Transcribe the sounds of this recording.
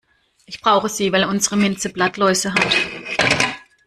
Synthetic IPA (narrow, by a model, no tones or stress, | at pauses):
ʔɪçb̥ʁ̥aʊxəziːvaɪlʊnzəʁəmɪnt͡səb̥latlɔʏzəɦat